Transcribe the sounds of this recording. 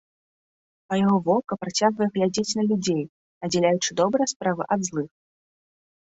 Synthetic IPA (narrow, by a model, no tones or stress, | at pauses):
ɐjaɣɔvɔkɐpɾat͡sʲaɣvɐjɛɣlʲad͡zʲet͡sʲnɐlʲud͡zʲej | nɐd͡zʲɛlʲajut͡ʂɨd̪ɔbɾɐjɛspɾavɨʔɐd̪zlˠɨx